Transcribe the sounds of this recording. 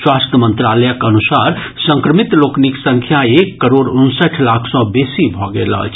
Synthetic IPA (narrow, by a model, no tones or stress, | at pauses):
swast̪əmənt̪ɾaləjəkənusaɾ | səŋkɾəmit̪lokniksəŋkʰjaekːəɾoɾunsəʈʰlakʰsɔ̃besibʱɔɡḛlə̰t͡ʃʰ